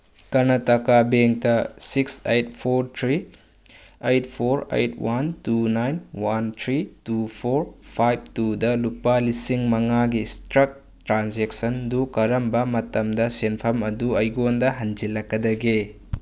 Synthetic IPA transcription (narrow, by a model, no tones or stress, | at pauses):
kɐnɐtɐkabeŋtɐsiksejt̚pʰoɾt̪ʰɾi | ejtpʰoɾḛjtwantunajnwant̪ʰɾitupʰoɾpʰajb̚tudɐlupːalisiŋmɐŋaɡistɾɐk̚ | tɾanzeksɐndukɐɾɐmbɐmɐtɐmdɐsenpʰɐmɐduɐjɡondɐɦɐnd͡ʒilɐkːɐdɐɡe